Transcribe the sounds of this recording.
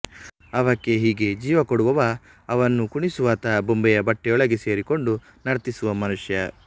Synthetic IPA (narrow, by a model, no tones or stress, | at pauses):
ɐʋɐkːe̞ɦiːɡe̞d͡ʒiːʋɐkoɽuʋɐʋɐː | ʋɐnːukuɳisuʋaːt̪aːbumbɛjɐbɐʈːɛɔɭɐɡese̞ːɾiko̞ɳɖu | nɐɽɐt̪isuʋɐmɐnuʂjɐ